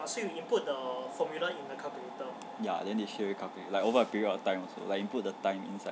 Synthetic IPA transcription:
asejiinput̚d̪əfɔmjuləĩnd̪əkʰakəit̪ə | ja̰dɛ̃ndeʃɛwekʰaʊkəilaɪkovəəpiɹiədɔtãɪ̃mɔso̰laɪkĩnput̚dətãɪ̃mḭ̃nsaɪ

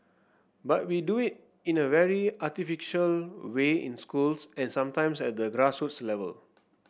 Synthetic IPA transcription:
bat̚widuit̚ | ĩnəvɛɹiatifiʃəlweḭ̃nskulsɛ̃nsãmtãɪ̃msɛt̚dəɡɹashutslɛvə̰l

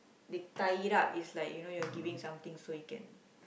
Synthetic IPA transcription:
dət̪ajɾapislajkjunojuaɡivĩŋsãmt̪ĩŋsojukɛ̰̃n

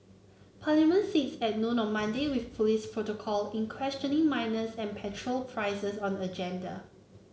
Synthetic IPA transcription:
pʰalimə̃nsitsɛt̚nõnɔ̃nmãndewiθpʰulispʰɹotokʰɔlĩnkʰwɛst͡ʃə̃nɪ̃ŋmãɪnəsɛ̃npʰɛtʰɹolpʰɹaɪsəsɔ̃nəd͡ʒɛ̃ndə̰

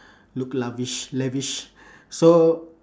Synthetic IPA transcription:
luklaviʃleviʃ | so

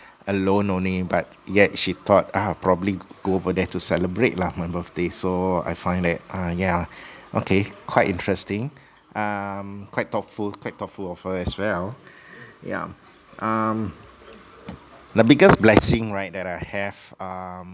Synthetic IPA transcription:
ʔəlõnõnlibat̚jɛʔʃit̪ʰɔt̚apʰɹɔbəbliɡ̥oovədɛtusɛləbɹet̚lamãnbəfdesoa̰jfãɪ̃ndɛt̚ajaʔo̰kʰekʰwaɪtĩntʰɹɛstɪ̃ŋ | ʔʌ̃mkʰwaɪt̚tɔtfulkʰwaɪt̚tːɔtfulɔfhəɛswɛl | ja̰ | ʔam | dəbiɡəsblɛsɪ̃ŋɹaɪt̚dɛtaɪhɛvʌm

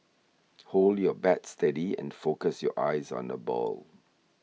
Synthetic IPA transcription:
holdjɔbɛtstɛdiɛ̰̃nfokəsjɔʔaɪzɔ̰̃nəbɔ̰l

